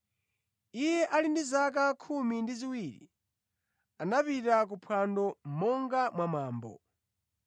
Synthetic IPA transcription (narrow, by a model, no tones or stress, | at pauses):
ijɛʔalindizak̬akʰumindiziwiːɾḭ | anapitak̬upʰwandɔm̩mɔŋɡamwamaːmbɔ̰